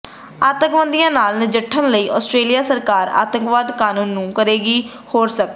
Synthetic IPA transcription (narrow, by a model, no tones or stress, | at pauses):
aːt̪əŋkʋə̃nd̪ijãːnaːlnɪd͡ʒəʈʰːənləiːʔɔːsʈɾeːlɪjaːsəɾkaːɾa̰ːt̪əŋkʋaːd̪kaːnũːnːũːkəɾeːɡiː | hoːɾsək̪̚